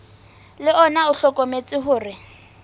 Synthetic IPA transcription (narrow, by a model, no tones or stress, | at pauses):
lɪɔnaʊɬɔkʼomet͡sʼɪɦʊːrɪ